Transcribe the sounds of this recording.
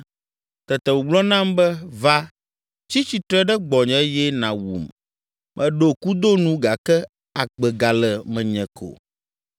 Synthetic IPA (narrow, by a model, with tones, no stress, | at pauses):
t̪ɛ˨t̪ɛ˨wu˨ɡ͡blɔ˦nã˦mbɛ˦va˦ | t͡ɕi˦t͡ɕi˨t̪ɾɛ˦ɖɛ˦ɡ͡bɔ˨ɲɛ̃˨˦jɛ˦nã˨wṵ˨m | mʔɛ̃˨ɖo˦ku˦d̪o˦nũ˦ɡa˨kɛ˦ | a˨ɡ͡bɛ˨ɡa˨lɛ˨mɛ̃˨ɲɛ̃˨kʰo̰˨